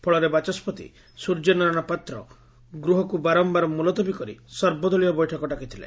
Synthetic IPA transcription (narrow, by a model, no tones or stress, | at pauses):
pʰɔɭɔɾebat͡ʃɔspɔt̪ḭ | suɾd͡ʒɔnɔɾɔɽ̃ɔpat̪ɾɔ | ɡɾuɦɔkubaɾɔmbaɾɔmulɔt̪ɔbikɔɾḭsɔɾbɔd̪ɔɭijɔbɔjʈʰɔkɔʈakit̪ʰilḛ